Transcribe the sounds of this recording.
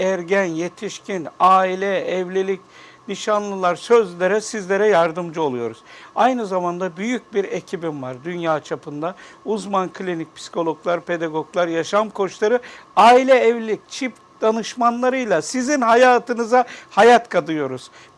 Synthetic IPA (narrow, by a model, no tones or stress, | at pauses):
æɾɟænje̞t̪ʰiʃcʰinaːilʲɛɛvlʲilʲic | niʃanlˠɯlˠaɾsø̞zlʲeɾɛsizlʲe̞ɾɛjaɾd̪ɯmd͡ʒɯo̞lˠujo̞ɾuz̥ajnɯzamand̪abyjyc̚biɾecʰibimvaɾd̪ynjaːt͡ʃʰapʰɯnd̪auzmankʰlʲinic̚pʰsi̥kʰo̞lˠo̞klˠaɾpʰe̞d̪aɡo̞ɡlˠaɾjaʃamkʰo̞ʃlˠaɾɯaːilʲɛɛvlilʲic̚t͡ʃʰip | d̪̥anɯʃmanlˠaɾɯjlˠasizinhajaːt̪ʰɯnɯzahajat̪kʰad̪ɯjo̞ɾuz̥